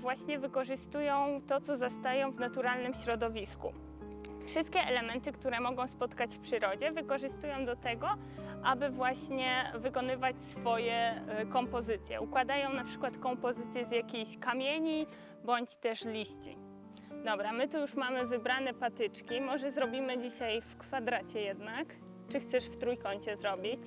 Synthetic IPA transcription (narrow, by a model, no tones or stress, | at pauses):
vwaɕɲɛvɘkɔʐɘst̪ujɔ̃w̃t̪ɔt̪sɔzast̪ajɔ̃w̃vnat̪uɾalnɘmɕɾɔd̪ɔvʲiskṵ | fʂɘst̪̚kʲɛʔɛlɛmɛnt̪ɘkt̪uɾɛmɔɡɔ̃w̃spɔt̪kat͡ɕfpʂɘɾɔd͡ʑɛvɘkɔʐɘst̪ujɔ̃w̃d̪ɔt̪ɛɡɔ | ʔabɘvwaɕɲɛvɘkɔnɘvat͡ɕsfɔjɛkɔmpɔzɘt̪sʲjɛ̰ukwad̪ajɔ̃w̃napʂɘ̥kwat̪kɔmpɔzɘt̪sʲjɛzjakʲejɕkamʲjeɲi | bɔɲt͡ɕt̪ɛʂlʲiɕt͡ɕḭ | d̪ɔbɾamɘt̪ujuʂmamɘvɘbɾanɛpat̪ɘt͡ʂkʲimɔʐɛzɾɔbʲimɘd͡ʑiɕajfkfad̪ɾat͡ɕɛjɛd̪nak | t͡ʂɘxt̪sɛʂft̪ɾujkɔɲt͡ɕɛzɾɔbʲit͡ɕ